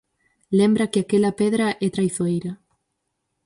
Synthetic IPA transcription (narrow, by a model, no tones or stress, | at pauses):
lembɾɐkɪakelɐpɛðɾaʔɛt̪ɾajθoejɾɐ